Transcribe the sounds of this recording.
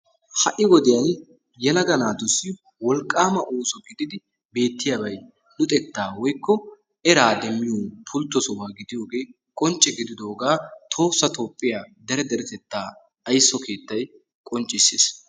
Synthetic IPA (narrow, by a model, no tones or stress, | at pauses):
hɐʔɪwɔd̪ɪjɐn | jɛlɐɡɐnaːd̪ʊsːɪ | wɔlkʼːaːmɐʔoːsɔɡɪd̪ɪd̪ɪ | be̞ːt̪ːɪjabɐj | nʊt̪ʼɛt̪ːaːwɔjkːɔ | ɛɾaːd̪ɛmːɪjoːpʰʊlt̪ːɔsɔwaːɡɪd̪ɪjo̞ːɡe̞ː | kʼɔnt͡ʃʼːɛɡɪd̪ɪd̪o̞ːɡaːt̪ʰo̞ːsːɐt̪o̞ːpʼːɪjaːd̪ɛɾɛd̪ɛɾɛt̪ɛt̪ːaː | ɐjsːɔkʰe̞ːt̪ːɐj | kʼɔnt͡ʃʼːɪsːeːs